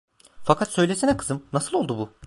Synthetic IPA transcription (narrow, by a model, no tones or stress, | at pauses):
fakʰat̪sø̞jlʲesinɛkʰɯ̥zɯmnasɯlˠo̞lˠd̪ubu